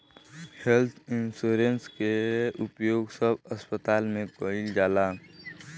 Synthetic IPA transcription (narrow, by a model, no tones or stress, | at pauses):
helt̪ʰɪnsuːɾenskeʊpjoːɡsəbəspət̪aːlmẽkoɪld͡ʒaːlaː